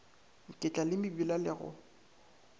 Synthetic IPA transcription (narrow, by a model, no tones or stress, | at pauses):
ŋ̩kʼɪt͡ɬʼalɪmɪbilalɪɣʊ̰